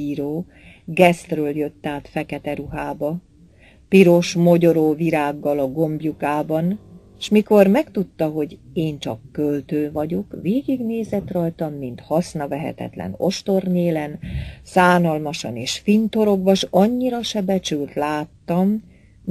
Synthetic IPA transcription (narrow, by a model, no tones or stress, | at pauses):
iɾoː | ɡɛst̪røːljøt̪ːaːt̪fɛkɛt̪ɛɾuɦaːbɒ | piɾo̞ʃmo̞ɟo̞ɾoːviɾaːɡːɒlɒɡo̞mbjukaːbɒn | ʃmiko̞rmɛkt̪ut̪ːɒɦo̞ɟeːnt͡ʃɒ̰kːølt̪øːvɒɟo̞kveːɡiɡneːzɛt̪rɒjt̪ɒmːint̪hɒsnɒvɛɦɛ̰t̪ɛ̰t̪lɛ̰no̞̰ʃt̪o̞rɲeːlɛnsaːnɒlmɒʃɒ̰neːʃfint̪o̞ɾo̞ɡbɒʃɒɲːiɾɒʃɛbɛt͡ʃylt̪laːt̪ːɒm